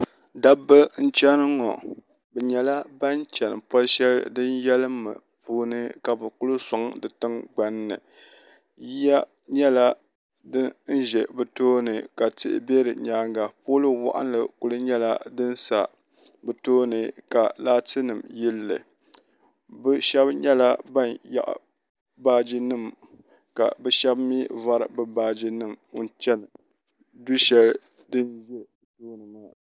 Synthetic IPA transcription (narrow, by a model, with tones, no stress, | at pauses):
da˦bːɨ˦n̩˦t͡ʃɛ˦nɨ˦ŋɔ̰˨ | bɛ˨ɲɛ˨la˦ba˦n˦t͡ʃɛ˨nɨ˨pɔ˦lʃɛ˦ldɨ˦njɛ˦lɨ˦mːɨ̰˨ | puː˦nɨ˦ka˨bɨ˨ku˦lɨ˦sa˨ŋdɨ˨tɨ˦ŋɡ͡ba˦nːɨ̰˨ | ja˦ | ɲɛ˦la˦ | dɨ˦n̩˦ʒɛ˨bɨ˨toː˦nɨ˨ka˨tɪ̰˦ʔɪ̰˦bɛ˦ɾɨ˨ɲaː˨˦ŋɡa˨poː˦lɨ˦wa̰˦ʔa̰˦n˦lɨ˨ku˦lɨ˦ɲɛ˦la˦dɨ˦n˦sa˨ | bɨ˨toː˦nɨ˨ka˨laː˦tɨ˦nɨ˨mji˦lːɨ̰˨ | bɛ˦ʃɛ˦bɲɛ˦la˦ba˦nja̰˦˨ʔ | baː˦d͡ʒi˦nɨ˦˨m | ka̰˨bɛ˦ʃɛ˦bmi˦va˦ɾɨ̰˨bɨ˦baː˦d͡ʒi˦nɨ˦˨m˦n˦t͡ʃɛ˦n˨ | du˦ʃɛ˦l | dɨ˦nʒɛ˦btoː˦nɨ˨ma˦